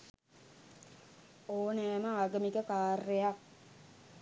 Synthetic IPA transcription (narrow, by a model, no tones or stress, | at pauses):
oːneaməaːɡəmikəkaːrːeja